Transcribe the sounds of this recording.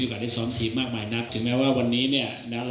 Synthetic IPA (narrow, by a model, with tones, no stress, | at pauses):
ʔo˨kaː˨˩a˥˩jsɔː˦˥mt̪ʰiː˦˩p̚maː˥˩k̚maː˧jna˦˥p̚t̪ʰɯ˨˩˦ŋmɛː˦˥waː˥˩wa˧nːiː˦˥ni˥˩ɐ | na˦˥l